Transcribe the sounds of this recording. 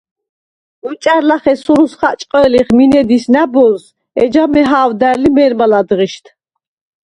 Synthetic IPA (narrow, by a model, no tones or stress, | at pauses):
ut͡ʃʼaɾlaχɛsuɾusχat͡ʃʼqʼɛliχminɛd̪isnabɔls | ɛd͡ʒamɛɦaːwd̪æɾlimɛɾmalad̪ʁiʃt̪ʰ